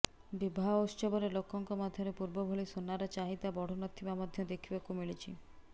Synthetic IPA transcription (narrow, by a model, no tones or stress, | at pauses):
bibʱaɦost͡ʃɔbɔɾelokːɔŋkɔmad̪ʱjɔɾepuɾbɔbʱoɭisonːaɾɔt͡ʃaɦit̪abɔɽ̤ɔnɔt̪ʰːimamɔd̪ʱjɔd̪ekʰibakumiɭit͡ʃʰi